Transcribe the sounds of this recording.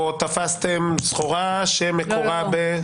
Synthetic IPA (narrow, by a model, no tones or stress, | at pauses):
ot̪afast̪emsχoʁaʃemekoʁabe